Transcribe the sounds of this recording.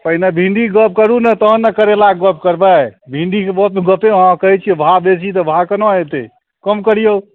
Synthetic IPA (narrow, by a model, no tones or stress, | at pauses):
pəɦinebʱiɳɖiɡəp̚kəɾunət̪əɦənːəkəɾelaɡɡəp̚kəɾbɛbʱĩɳɖikebəpɡəpeɦãkəɦɛt͡ʃʰibʱabesit̪ɔbʱakənoet̪e | kəmkəɾijo